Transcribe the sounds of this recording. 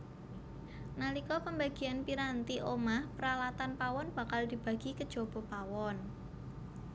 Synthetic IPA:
nalikɔpəmbaɡ̥i̤anpiɾant̪iʔomahpəɾalat̪anpawɔnb̥a̤kald̪̥i̤b̥a̤ɡ̥ikəd̥ʒ̥o̤b̥o̤pawɔn

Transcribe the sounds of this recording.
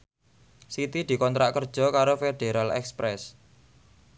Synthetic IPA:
sit̪id̪̥i̤kɔnt̪ɾaʔkərd̥ʒ̥ɔ̤kaɾofeɖ̪̥eɾalɛ̰kspɾɛs

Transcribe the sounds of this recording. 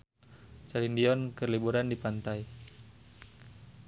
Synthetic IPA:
salindiɔnkərlibuɾandipant̪aj

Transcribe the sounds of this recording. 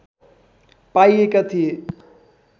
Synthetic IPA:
paiekɐt̪ʰije

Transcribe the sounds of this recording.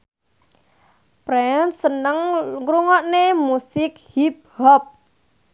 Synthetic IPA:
pɾɛnsənəŋŋɡɾuŋɔʔnemusɪk̚hip̚hɔp̚

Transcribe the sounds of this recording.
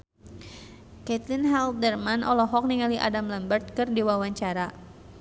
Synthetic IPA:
kɛt̪linɦɛlt̪̚dərmanʔɔlɔɦɔk̚niŋaliʔa̰damləmbərt̪̚kɨrdiwawaɲt͡ʃaɾa

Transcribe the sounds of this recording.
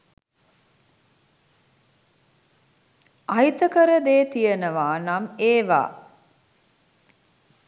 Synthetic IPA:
ʔɐjt̪əkəɾəd̪eːt̪ijənəʋaːnameːʋa̰ː

